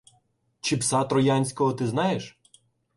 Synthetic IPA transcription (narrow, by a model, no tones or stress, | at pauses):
t͡ʃipsɑt̪ɾɔjɑnʲsʲkɔɦɔt̪ɪznɑjeʃ